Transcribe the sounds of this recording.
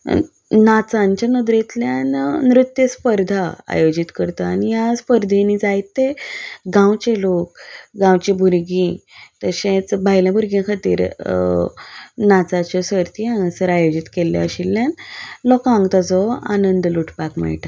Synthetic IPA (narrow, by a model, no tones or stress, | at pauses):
nat͡sãɲt͡ɕanəd̪ɾet̪ljannɾut̪jəspəɾd̪ʱaa̰jod͡ʑit̪kəɾt̪aanijaspəɾd̪ʱinid͡zajt̪ːeɡãwt͡ɕelok̚ɡãwt͡ɕibʱuɾɡĩt̪əɕẽt͡sbʱajlãbʱuɾɡjãkʰat̪ḭːɾ | nat͡sat͡ɕɔsəɾt̪iãɡsəɾajod͡ʑit̪kelːja̰ɕilːjanlɔkãŋɡt̪ad͡zɔa̰nənd̪luʈʰpakmɛ̰ɭʈa